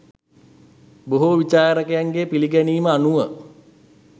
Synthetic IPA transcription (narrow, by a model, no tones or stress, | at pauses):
boɦuʋit͡ʃaːɾəkejaŋɡepiliɡæniːməanuʋə